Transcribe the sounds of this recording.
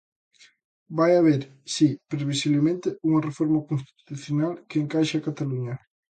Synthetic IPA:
bajaβeɾ | sipɾeβisiβlemẽnt̪euŋɐrefɔɾmakonst̪i̥t̪i̥t̪uθjonalkeːŋkajʃakat̪aluɲɐ

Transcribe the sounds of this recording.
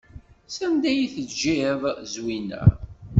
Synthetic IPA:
sænd̪æjiθəd͡ʒːiðzwinæ̰

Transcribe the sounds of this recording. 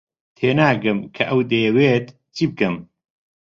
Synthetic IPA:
t̪ʰeːnaːɡɨmkʰɐʔɐwd̪eːweːt̪ | t͡ʃʰib̚kɨm

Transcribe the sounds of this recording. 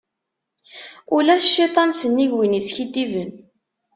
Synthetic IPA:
ulæʃit̪ˤɑnsənːiʝwinisçid̪ivən

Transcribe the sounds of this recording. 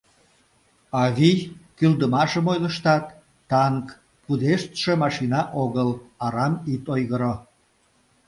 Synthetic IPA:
ɑɣikyld̪əmɑʃəmojləʃt̪ɑt̪ː | ɑŋk | pud̪eʃt̪ʃemɑʃinɑʔoɣəlɑɾɑmit̪ojɣəɾo

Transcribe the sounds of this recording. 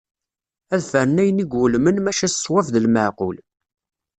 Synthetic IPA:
æðfəɾənæjəniɡʊlmənmæʃæsˤwæfðəlməʕqʊ̰l

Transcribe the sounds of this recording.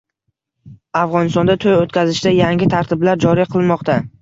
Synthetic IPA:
afʁɒnɪst̪ɒnd̪at̪ʰojot̪kʲʰazɪʃd̪ajaŋʲɪt̪ʰaɾt̪ʰɪblaɾd͡ʒɒɾiqʰɨlˠmɒqt̪ʰa

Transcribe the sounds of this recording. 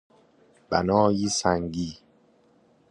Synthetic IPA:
b̥æ̰nɒːjiːsæŋɟiː

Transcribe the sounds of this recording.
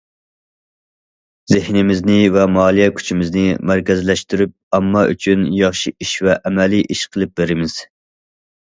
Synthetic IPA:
z̥ɪhnɪmɪznɪvɛmɑːlˠijɛkʲʰy̥t͡ʃʰimɪznɪmæɾkʲɛzlɛʃt̪yɾyp̚ɛmːɑʔy̰t͡ʃʰynjɑχʃiiʃvɛʔɛmɛliʔiʃqʰəlˠɨp̚beɾɪmɪz̥

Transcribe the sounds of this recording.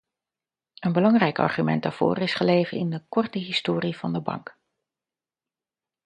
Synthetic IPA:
ənbəlɑŋrɛjkɑ̰ɹχymɛ̰nt̚daːɹv̥o̰ːrɪsχəlejvənɪndəkɔɹtəɦɪstoːrivɑndəbɑ̰ŋk

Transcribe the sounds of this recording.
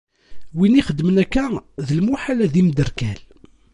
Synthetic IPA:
winiχəd̪ːmənækːæðəlmuħalæðimd̪əɾkæl

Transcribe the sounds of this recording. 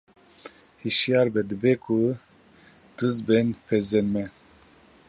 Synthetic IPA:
hiʃijɑːɾbɛd̪ɨbɛkʰu | d̪̥ɨzbɛnpʰɛzɛnmɛ

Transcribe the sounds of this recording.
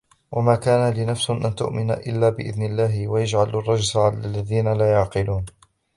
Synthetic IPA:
wamaːkaːnalɪnafsʊʔant̪ʊ̰ʔmɪna̰ʔɪlːaːbɪʔɪ̰ðnɪlːaːɦɪwajad͡ʒʕalarˤːɑd͡ʒsaʕalalːaðiːnalaːjʊʕqɨluːn

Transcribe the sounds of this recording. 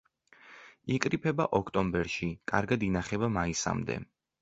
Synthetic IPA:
ikʼɾipʰɛbaʔɔkʰt̪ʼɔmbɛɾʃikʼaɾɡad̪inaχɛbamaisa̰md̪ɛ̰

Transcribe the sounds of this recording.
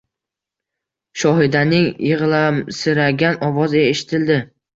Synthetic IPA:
ʃɒɦɪd̪anɪŋjɨʁlˠamsɪɾaɡʲanɒwɒzɪɡʲaeʃɪ̥t̪ʰɪld̪ɪ

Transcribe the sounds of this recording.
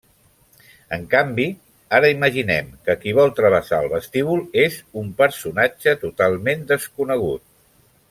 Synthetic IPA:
əŋkambi | aɾəiməʒinɛ̰mkəkiβɔlˠt̪ɾəβ̞əsa̰əlˠβəst̪iβulˠezumpəɾsunad͡ʒət̪ut̪alˠmend̪əskunəɣ̞ut̪̚

